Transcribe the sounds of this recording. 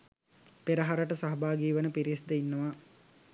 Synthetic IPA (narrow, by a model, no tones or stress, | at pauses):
peɾəɦaɾəʈəsaɦɐbaːɡiːʋənəpiɾisd̪əinːəʋa